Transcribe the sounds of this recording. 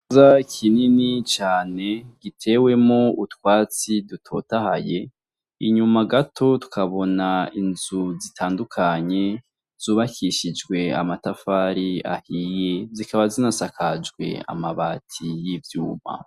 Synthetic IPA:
zakʰininit͡ʃaːne̞ɡ̥itʰe̞ːwe̞moutwaːt͡sidutʰo̞̰taha̰je̞ | iɲumaɡatʰo̞tu̥kʰaβo̞nainzuzitʰaːndukʰaɲe̞ | z̥uːβakʰiʃid͡ʒɡwe̞a̰matafaːɾia̰hiːje̞zikaβazinasakʰad͡ʒɡwe̞̰a̰maβaːtʰijivjuːma̰

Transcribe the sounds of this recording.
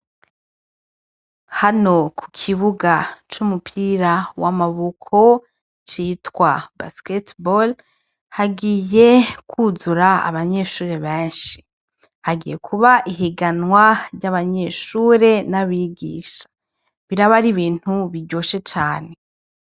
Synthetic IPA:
hano̞kʰu̥kʰiβuɡat͡ʃumupʰiɾawamaβukʰo̞ | t͡ʃiːtwaba̰sketbol | haɡije̞kʰuzuɾaa̰βaɲe̞ʃuːɾe̞βeːnʃi̥ | haɡḭje̞kʰuβaʔiɦiɡanwaɾɟaβaɲe̞ʃuːɾe̞naβiɡḭːʃḁ | βiɾaβaɾiβiːn̥huβiɾɟo̞ːʃe̞t͡ʃaːne̞

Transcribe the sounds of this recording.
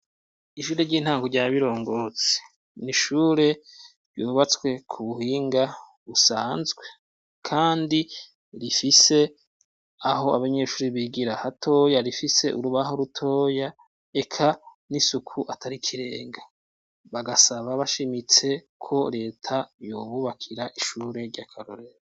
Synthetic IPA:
iʃuːɾeɾɟiːn̥haːŋɡoɾɟaːβiɾo̞ːŋɡo̞ːt͡se̥ | niʃuːɾe̞ | ɾjuβat͡swe̞kʰuβuhiːŋɡa | βusaːnzɡwe̞ | kʰaːndi | ɾifise̞ | aɦo̞aβaɲeʃuːɾiβiɡiɾahatʰo̞ːjaɾifise̞̰ʔuɾuβaɦoɾutʰo̞ːja | e̞kʰa | nisukʰuʔatʰaɾikʰiɾe̞ːŋɡa | βaɡasaβaβaʃimit͡se̞ | kʰo̞ɾe̞ːtʰajo̞ːβuβakʰiɾaʔiʃuːɾe̞ɾɟakʰaɾo̰ɾeɾo

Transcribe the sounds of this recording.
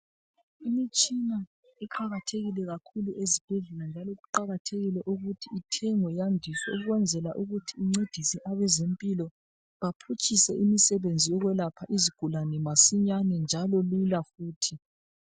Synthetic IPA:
imit͡ʃʼina | ɛǃaɣatʰeɣilɛɣakʰuluʔezib̥ʱɛɮɛland͡ʒʱalɔɣuǃaɣatʰeɣilɛʔuɣutʰiitʰɛŋɔjandʱiswɛuɣuɣwɛnd͡zʱɛlaʔuɣutʰiiŋ͡ǀed̥ʱisiʔaβɛzempʼilɔ | βapʰut͡ʃʼisɛʔimisɛβend͡zʱijɔɣwɛlapʰaʔiziɡ̥ʱulanɛmasiɲanɛnd͡ʒʱalɔlilafuːtʰi

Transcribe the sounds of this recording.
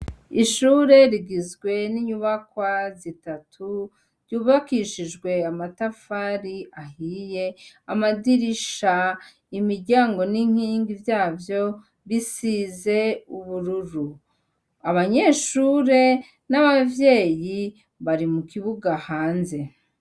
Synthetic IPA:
iʃuːɾe̞ɾiɡizɡwe̞niɲuβakwazitatʰu | ɾjuːβakiʃiʒɡwe̞amatafaːɾiahije̞amadiɾiʃa | imiɾɟaːŋɡo̞niŋ̥hiːŋɡivjaːvjo̞ | βisiːze̞uβuɾuɾu | aβaɲe̞ːʃuːɾe̞ | naβavje̞ːji | βaɾimukiβuɡahaːnze̞

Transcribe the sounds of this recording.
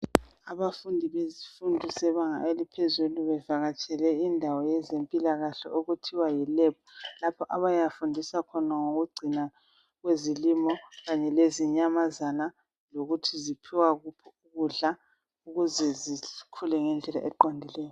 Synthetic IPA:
aβafundʱiβezifundʱisɛβaŋa̰elipʰezuluβɛvaɣat͡ʃʰʼɛlɛindʱawɔjɛzempʼilaɣaɬɔ̰oɣutʰiwajɛlɛp̚ʰɔlapʰɔʔaβajafundʱisakʰɔnaŋoɣuɡ͡ǀʱina | ɣwezilimɔɣaɲɛleziɲamazana | loɣutʰizipʰiwaɣupʰɔuɣuɮa | uɣuzɛzikʰulɛŋɛnd͡ɮʱɛla̰ʔɛǃɔndʱilɛːjɔ

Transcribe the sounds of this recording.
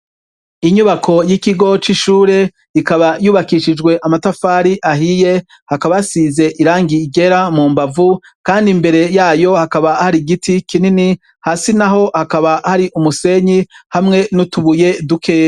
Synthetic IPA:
iɲuβakʰo̞jikiɡo̞t͡ʃiʃuːɾe̞ | ikaβajuːβakiʃid͡ʒɡwe̞ʔamatafaːɾiʔaɦije̞ | hakaβajasiːze̞ʔiɾaːŋɡiːɡe̞ɾamuːmbavu | kaːndimbe̞ɾe̞jaːjo̞hakaβahaɾiɡitikinini | haːsinaɦo̞hakaβahaɾiʔumuse̞ɲihamŋe̞nutuβuje̞dukʰe̞ː

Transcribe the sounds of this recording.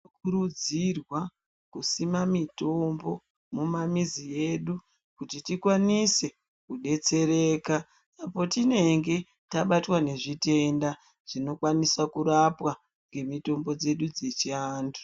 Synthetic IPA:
kuɾud͡zirwa | kusimamito̞mbo̞ | mumamizije̞ɗu | kutitikwanise̞ | kuɗe̞t͡se̞ɾe̞ːkaː | po̞tine̞ŋɡe̞ | taɓatwane̞ʐite̞nda | ʐ̥ino̞kwanisakuɾapwa | ŋɡe̞mito̞mbo̞d͡ze̞ɗud͡ze̞t͡ʃiaːndu̥

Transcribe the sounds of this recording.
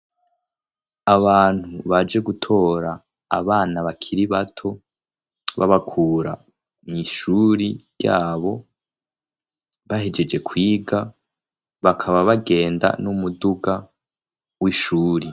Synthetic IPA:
aβaːn̥huβad͡ʒe̞ɡutʰo̞ːɾa̰ː | βaːnaβakʰiɾiβatʰo̞ | βa̰βakʰuːɾa̰ | niʃuːɾiɾja̰ːβo̞ | βahe̞d͡ʒe̞d͡ʒe̞kʰwiːɡa | βakʰaβaβaɡe̞ːnda̰numuduɡa | wiʃuːɾi

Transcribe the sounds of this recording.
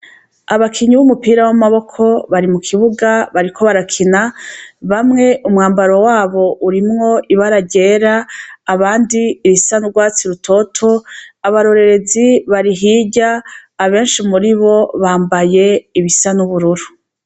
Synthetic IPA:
aβakʰiɲuβumupiːɾawamaβo̞kʰo̞βaɾimukʰiβuɡaβaɾikʰo̞βaɾakʰinaβamŋe̞ʔumŋaːmbaɾowaːβo̞ʔuɾimŋo̞ʔiβaɾaɟe̞ːɾaːβaːndiːβisanuɾɡwaːt͡siɾutʰo̞tʰo̞aβaɾo̞ɾe̞ɾe̞ziβaɾiɦiːɟaːβe̞ːnʃimuɾiβo̞βaːmbaje̞iβisanuβuɾuɾu

